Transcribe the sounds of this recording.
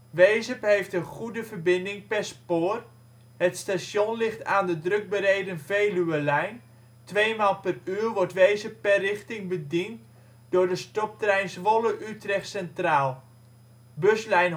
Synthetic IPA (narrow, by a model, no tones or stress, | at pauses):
ʋejzəpɦejftənχudəvərbɪndɪŋpɛrspoːr | ɦətstasjonlɪχtaːndədrɵɡ̚baːrejdənvejlyəlɛjn | tʋejmaːlˠpəryːrʋɔrtʋejzəpːɛrɪχtɪŋbədint | dʊːɹdəstɔp̚trɛjnsʋɔləʔytrɛχtsɛntraːlˠ | bɵslɛjn